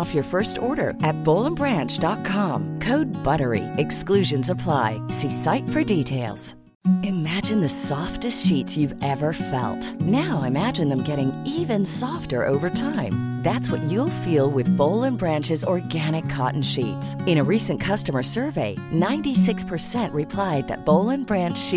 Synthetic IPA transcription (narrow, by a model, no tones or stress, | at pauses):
ɔfjə˞fɜ˞stɔɹɾə̰˞ɨt̚b̥oʊlˠə̃mbɹæ̃nt͡ʃd̥ɑt̚kʰɑ̃mkʰoʊd̚bʌɾə˞ḭɨksklʉʒɨ̃nsəpʰl̥aɪsisaɪtfə˞ditʰeɪlˠz̥ | ɨmæd͡ʒɨ̃nðɨsɔftɨstʃitsjʉvɛvə˞fɛ̰lˠtnaʊɪmæd͡ʒɨ̃nðɨ̃mɡɛɾɪ̃ŋivɨ̃nsɔftə̰˞ʔo̰ʊvə˞tʰãɪ̃mðætswʌt͡ʃɨlˠfilˠwɪðboʊlˠə̃nbɹæ̃nt͡ʃɨzɔɹɡæñɨkʰɑ̰ʔn̩ʃitsɨ̃ɾ̃ɨɹisɨ̃nkʰʌstəmə˞sɜ˞veɪnãɪ̃ntisɪkspʰə˞sɛ̃nʔɹɨpʰl̥aɪd̪̚ðɨ̰t̚b̥oʊlˠə̃nbɹæ̃nt͡ʃi